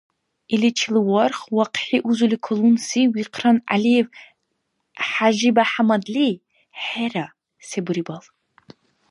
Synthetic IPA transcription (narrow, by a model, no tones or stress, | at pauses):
ilit͡ʃʰilɨwɔrχwaqħiʔuzulikʰolunsiwiqʰrɐnʔa̰liev | ħaʒibaħamɐd̪li | ħera | sebɨɾibɐl